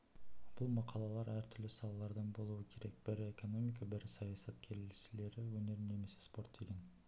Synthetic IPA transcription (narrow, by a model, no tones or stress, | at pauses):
b̥ʊlˠmɑqʰɑlˠɑlˠɑɾæɾt̪ʰʏɾlɪsɑlˠɑlˠɑɾd̪ɑnbo̞lˠuwəkʲʰe̞ɾe̞k̚b̥ɪɾe̞ko̞no̞mijk̬abɪɾsɑjɑsɑt̪̚kʲʰeɾʃɪle̞ɾɪwɵne̞ɾne̞me̞sespo̞ɾt̪d̪̥e̞ɡʲe̞n